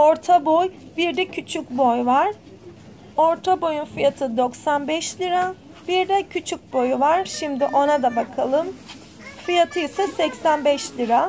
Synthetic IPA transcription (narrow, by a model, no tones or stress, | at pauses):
o̞ɾt̪ʰabojbiɾd̪ɛcʰyt͡ʃʰycbojvaɾ̥ | o̞ɾt̪ʰabo̞junfijat̪ʰɯd̪o̞ksanbɛʃlʲiɾa | biɾd̪ɛcʰyt͡ʃʰyc̚bo̞juvaɾ̥ʃimd̪iʔo̞nad̪abakʰalˠɯm | fijat̪ʰɯjɯsasɛcsænbɛʃlʲiɾa